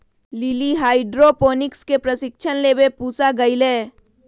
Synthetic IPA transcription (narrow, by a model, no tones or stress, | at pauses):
lɪliɦaːɪɖɾopoːnɪkskepɾəsɪkʃʰənleːbepuːsaɡɐɪleː